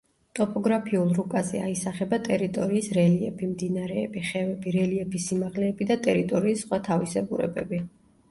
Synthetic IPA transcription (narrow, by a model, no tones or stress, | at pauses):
t̪ʼɔpʼɔɡɾapʰiulˠɾukʼazɛ̰a̰isaχɛbat̪ʼɛɾit̪ʼɔɾiːsɾɛliɛpʰimd̪inaɾɛːbiχɛvɛbiɾɛliɛpʰisimaʁlɛːbid̪at̪ʼɛɾit̪ʼɔɾiːsːχwat̪ʰavisɛbuɾɛ̰bɛ̰bi